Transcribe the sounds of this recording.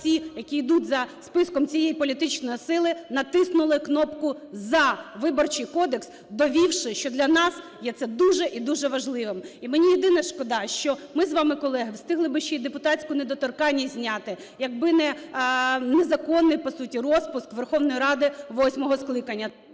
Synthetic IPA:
sʲijɐkʲiːd̪utʲzɐspɪskɔmt͡sʲijejipɔlʲit̪ɪt͡ʃnɔjisɪlˠɪnɐt̪ɪsnʊlˠɪknɔpkʊzɐʋɪbɔrt͡ʃɪjkɔd̪eks | d̪ɔʋʲiwʃɪʃt͡ʃɔd̪lʲɐnɑs | jɛt̪sɛd̪uʒɛʔid̪uʒɛʋɐʒlˠɪʋɪmimɪnʲijɛd̪ɪnɐʃkɔd̪ɑʃt͡ʃɔmɪzʋɑmɪkɔlˠɛɦɪwst̪ɪɦlˠɪbɪʃt͡ʃɔid̪epʊt̪ɑt͡sʲkʊned̪ɔt̪ɔrkɑnʲːizʲnʲɑt̪ɪ | jɐɡ̚bɪnɛ | nezɐkɔnːɪjpɔsutʲirɔspʊskʋerxɔwnɔjiɾɑd̪ɪʋɔsʲmɔɦɔsklˠɪkɐnʲːɐ

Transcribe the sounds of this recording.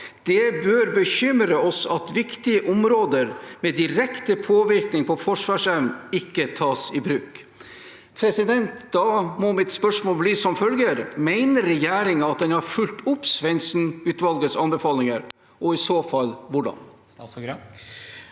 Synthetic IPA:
d̪̥ɛbøːɾbəçʏmɾəɔsɑt̪ʋɪkt̪ɪəʔɔmɾoːd̪əɾmɛd̪ɪɾɛkt̪əpʰoːʋɪɾknɪŋpʰɔfɔʂʋɑːʂɛʋnɪkːət̪ʰɑːsɪbɾʉːk | pʰɾɛsɪd̪ɛnt̪d̪̥ɑmɔmɪt̪spœʂmoːlbliːsɔmfœlɡəɾmæɪnəɾɾɛjæːɾɪŋɑt̪̚d̪ɛnhɑɾfʉlt̪ʊpsʋɛnsn̩ʉːt̪ʋɑlɡəsɑnbɛfɑːlɪŋəɾ | ʔɔɪsoːfɑlʋʊɖɑ̰n

